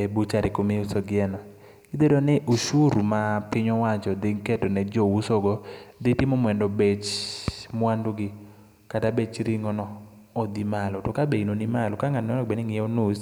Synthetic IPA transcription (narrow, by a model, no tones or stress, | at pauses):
ebut͡ʃaɾekomiusoɡɪɛnɔ | kid̪edonɛʔuʃuɾumapɪɲɔwat͡ʃɔd̪ɪŋkɛtɔnɛd͡ʒɔwusoɡɔd̪ɪtɪmɔmwɛndɔbet͡ʃmwanduɡɪ | katabet͡ʃɾiŋɔnɔ | ɔd̪imalɔtokabeinonimalɔkaŋanɔnɔbɛnɪŋɪjɔnus